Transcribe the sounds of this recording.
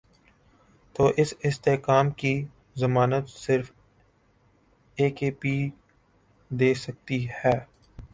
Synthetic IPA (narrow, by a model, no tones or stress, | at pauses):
t̪oːʔɪsɪst̪eːkaːmki | zɐmaːnət̪sɪɾf | eːkeːpiː | d̪eːsɐk̚t̪ihɛː